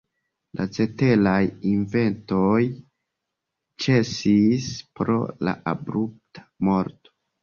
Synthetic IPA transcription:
lʔa̰t͡se̞te̞lajinve̞nto̞j | t͡ʃe̞sispɾo̞̰la̰ʔabɾup̚tḁmo̞ɾto̥

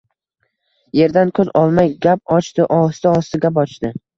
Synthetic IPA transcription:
je̞ɾd̪ankʰɵzɒlˠmajɡʲap̚ɒt͡ʃt̪ɪʔɒst̪ɪɒst̪ɪɡʲap̬ɒt͡ʃt̪ɪ

